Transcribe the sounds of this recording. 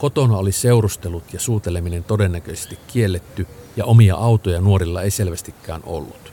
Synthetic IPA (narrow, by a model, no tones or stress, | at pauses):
kot̪onɑoliseurust̪elut̪jɑsuːt̪eleminent̪odenːækøise̥st̪ikːielːet̪ːyjɑʔomijɑ̰ʔɑut̪ojɑnuorilːɑeiselʋæst̪ikːæ̰ːnʔo̰lːut̪